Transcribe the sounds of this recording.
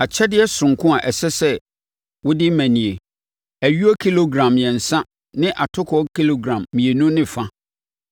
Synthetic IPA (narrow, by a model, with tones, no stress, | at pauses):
a˨t͡ɕʰɛ˦dɪ˦ɛ˦sʊ̃˨ŋ˨kʰʊ̃˦a˨ʔɛ˨sɛ˦sɛ˦ | wʊ˦dɪ˦mæ̃˨nĩ˨e˨ | æ˨ɥu˦ɔ˦kʰi˦lo˨ɡɾã˨mjɛ̃˨n̩˨sã˦ | nɪ̃˦ʔa˨tʰʊ˦kʰɔ˨˦kʰi˦lo˨ɡɾã˨mːĩ˨e˨nũ˦nɪ̃˦fã˦